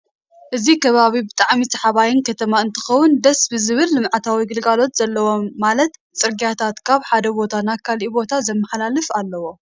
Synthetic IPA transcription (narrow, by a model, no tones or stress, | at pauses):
ʔɨzikʰɐβaβibɨt̪ʼaʕmisʰɐħaβajɪnkʰɐt̪ʰɐmaɨnt̪ʰɨ̥xɐwːʊnd̪ɐsbɨzɨβɨlːɨmʕat̪ʰawiɡɨlɡalo̞t̪z̥ɐlːɐwo̞mːalɐt̪ | t͡sʼɨɾɡijat̪ʰat̪kʰaβħad̪ɐbo̞t̪ʰanakʰalibo̞t̪ʰazɐmːɐħlalɨfalːɐwo̞